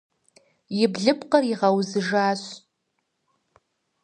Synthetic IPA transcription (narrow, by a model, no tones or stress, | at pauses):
jibɮɨpʰqʼəriʁawzɨʐaːʃʷ